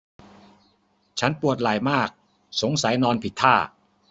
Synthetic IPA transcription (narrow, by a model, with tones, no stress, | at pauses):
t͡ɕʰa˦˥npu˨˩ət̪̚laː˨˩jmaː˥˩k̚ | so˩˦ŋsa˩˦jnɔː˧npʰi˨˩t̪ʰːaː˥˩